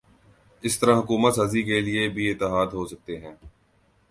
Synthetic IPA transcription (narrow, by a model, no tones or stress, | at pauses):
ɪst̪əɾãɦʊkuːmət̪saːzikeliebʱiɪt̪ːɪɦaːd̪ɦoːsɐk̚t̪eɦɛ̃ː